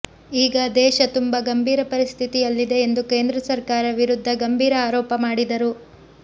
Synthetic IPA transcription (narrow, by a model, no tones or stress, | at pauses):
iːɡɐd̪ɛːʃɐt̪umbɐɡɐmbʱiːɾɐpɐɾist̪ʰit̪ijɐlːid̪e̞ːnd̪uke̞ːnd̪ɾɐsɐɾkaːɾɐʋiɾud̪ʱːɐɡɐmbʱiːɾɐaːɾɔːpɐmaːɽid̪ɐɾu